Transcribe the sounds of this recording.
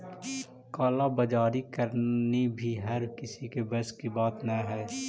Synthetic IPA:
kaːlabɐd͡ʒaːɾikɐɾnibʱiɦɐɾkɪsikebɐskibaːt̪naɦɛː

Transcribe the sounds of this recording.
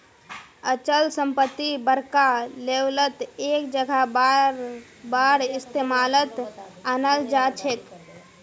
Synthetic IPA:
ət͡ʃəlsəmpət̪ːibəɾkalewlət̪eːk̚d͡ʒəɡʱab | baɾɪst̪emalət̪anəld͡ʒat͡ʃʰek

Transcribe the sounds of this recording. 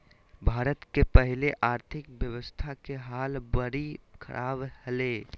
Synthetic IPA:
bʱaːɾət̪kepəɦɪleʔaːɾt̪ʰɪkʋjəʋəst̪ʰakeɦaːlbəɾikʰɐ̰ɾʔaːbhəleː

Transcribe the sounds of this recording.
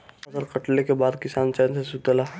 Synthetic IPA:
ɐzəɾkəʈlekebaːd̪kɪsaːnt͡ʃɛːnsesut̪əlaː

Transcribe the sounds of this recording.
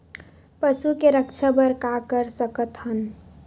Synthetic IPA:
pəsukeɾəkt͡ʃʰəbəɾkakəɾsəkət̪ɦən

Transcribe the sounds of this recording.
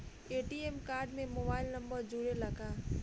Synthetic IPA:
eːʈiemkaːɾɖmẽmoːbaːɪlnɐ̃mbəɾd͡ʒuːɽelɐɡaː

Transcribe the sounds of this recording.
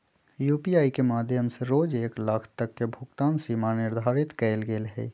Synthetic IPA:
juːpijaːikemaːd̪ʱjəmseɾoːd͡ʒeːklakʰt̪əkːebʱʊkt̪aːnsiːmanɪɾd̪ʱaːɾɪt̪kɛːlɡeːlɦɛ̰ː

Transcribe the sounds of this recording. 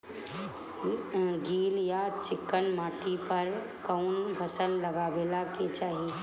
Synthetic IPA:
ɡiːljat͡ʃɪkːənmaːʈipəɾ | kəʊnbʱəsəlːəɡaːʋeːlaket͡ʃaːɦi

